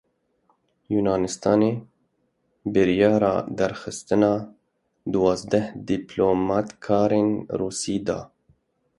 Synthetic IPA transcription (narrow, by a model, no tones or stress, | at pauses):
juːnɑːnɪst̪ɑːneː | bɨɾjɑːɾɑ̰ːd̪æɾxɨst̪ɨnɑː | d̪uwɑːzd̪ɛhd̪iːploːmɑːt̪kʰɑːɾeːnɾuːsiːd̪ɑ̰ː